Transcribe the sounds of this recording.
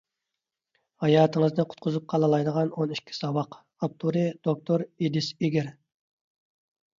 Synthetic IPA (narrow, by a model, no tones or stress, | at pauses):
hɑjɑːt̪ʰəŋəznɨqʰʊ̥t̪̚qʰʊzup̚qʰɑlˠəlˠɑjd̪əʁɑnoniʃkʲʰːi̥sɑwɑq | ɑp̚t̪ʰuɾɨd̪̥ok̚t̪ʰoɾed̪ɪseɡʲɪɾ